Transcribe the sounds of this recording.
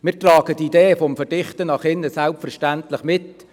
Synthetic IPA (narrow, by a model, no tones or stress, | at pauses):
mɪːɾtrɑːɡətideːfɔmfɛɾd̥ɪχtənɑχɪnːəsælpfɛɾʃtæntlɪχmɪt